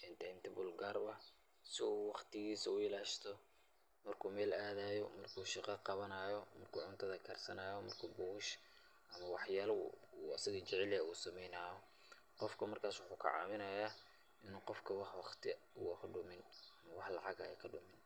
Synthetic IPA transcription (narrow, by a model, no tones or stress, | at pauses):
ɛnt̪ʰɛnt̪ʰɪbʊlɡaːrbɐ | sɪuːwɑχt̪ʰɪɣiːsɐʊɪlaːʃt̪ʰɔ | mɐrkʰuːmɛːlaːðaːjɔmɐrkʰuːʃɪqɑqɑβɐnaːjɔmɐrkʰuːʕʊnt̪ʰɐðɐkʰɐrsɐnaːjɔmɐrkʰuːbʊːʊʃ | ʔɐmɐwɑħjaːl̰uːɐsɪɣɐt͡ʃɪʕɛlɛuːsɐmɛjnaːɔ | qɔfkʰɐmɐrkʰaːswʊħuːkʰɐ̰ʕɑ̰ːβɪnɐjaː | ʔɪnuːqɔfkʰɐwɑħwɑχt̪ʰɪ | ʊkʰɐɖʊmɪnɐmɐwɑħlɑ̰ʕɑɣɐ̰ɛkʰɐɖʊmɪn